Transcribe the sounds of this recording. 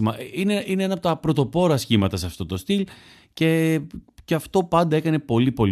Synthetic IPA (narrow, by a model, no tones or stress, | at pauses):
mɐʔineineenɐpot̪ɐpɾo̞t̪o̞po̞ɾɐsçimɐt̪ɐseɐft̪o̞t̪o̞st̪il | ce̞ceɐft̪o̞pɐnd̪ɐe̞kɐne̞po̞lipo̞l